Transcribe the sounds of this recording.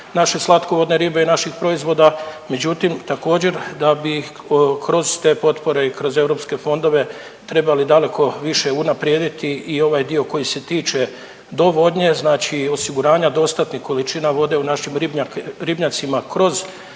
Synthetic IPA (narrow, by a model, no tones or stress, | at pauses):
naʃe̞slˠat̪koʋo̞d̪neɾiːbe̞inaʃixpɾo̞izʋo̞d̪ame̞d͡ʑut̪imt̪ako̞ːd͡ʑe̞ɾd̪abi | kɾo̞zt̪e̞ːpo̞t̪po̞ɾe̞ikɾo̞ze̞vɾo̞pske̞fo̞nd̪o̞ʋe̞ | t̪ɾe̞balid̪ale̞kʰo̞ʋiʃe̞unapɾjeːd̪it̪iio̞ʋaːjd̪io̞ko̞jise̞t̪iːt͡ʃe̞ | d̪o̞ʋo̞d̪ɲe̞znaːt͡ʃio̞siɡuɾaːɲad̪o̞st̪at̪nixko̞lit͡ʃinaʋo̞d̪e̞unaʃimɾibɲaɾibɲat̪simakɾo̞z